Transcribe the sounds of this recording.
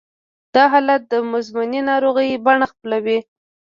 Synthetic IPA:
d̪̥ɑɦɑlat̪̚d̪əmʊzmʊninɑɾoɣəjbaɳaxplawi

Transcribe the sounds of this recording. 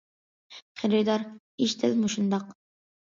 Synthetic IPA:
χeɾɪd̪ɑɾ | iʃd̪ɪlmuʃund̪ɑq

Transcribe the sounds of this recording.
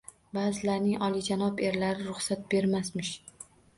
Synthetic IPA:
baːzɪlaɾnɪŋʔɒlˠid͡ʒanɒbe̞ɾlaɾɪɾʊχsat̪̚be̞ɾmasmɪʃ

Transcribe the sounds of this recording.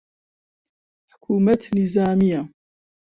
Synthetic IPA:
ħʊ̥kʰuːmat̪nizaːmija

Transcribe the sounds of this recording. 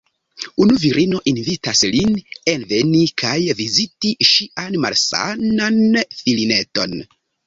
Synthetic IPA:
unuviɾʔino̞ʔinvitaslinenve̞nikʰajvizitiʃiʔanma̰lsa̰nanfiline̞to̞̰n

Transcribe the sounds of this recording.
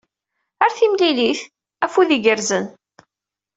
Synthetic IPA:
əɾθimliliθ | æfuðiɡəɾzən

